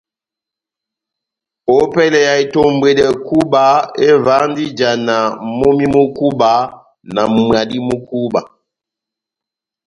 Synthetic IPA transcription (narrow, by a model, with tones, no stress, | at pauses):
o˨˦pɛ˦lɛ˨ja˨i˨to˨m˨bwe˨dɛ˨ku˦ba˨˦e˦va˨˦ndi˦d͡ʒa˨na˨mo˦mi˦mu˦ku˦ba˨˦ | na˨m˨mwa˨di˦mu˦ku˦ba˨